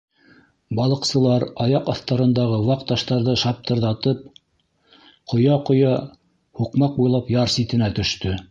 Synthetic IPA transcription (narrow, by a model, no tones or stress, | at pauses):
bɑlˠɤ̆qsɤ̆lˠɑɾɑjɑqɑθt̪ɑɾɤ̆nd̪ɑʁɤwɑqt̪ɑʃt̪ɑɾðɤʃɑp̚t̪ɤ̆ɾðɑt̪ɤp̚ | qʰŏjɑqŏjɑ | huqmɑq̚bujlˠɑpjɑɾsit̪ɘ̆næt̪ɵ̆ʃt̪ɵ